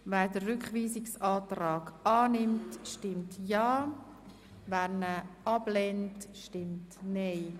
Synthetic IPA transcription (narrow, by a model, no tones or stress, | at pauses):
vɛːɾdərʏkχʋiːsɪksɑːtrɑːɡɑːnɪmtʃtɪmtjɑː | væːɾnəʔɑb̥lɛntʃtɪmtneɪ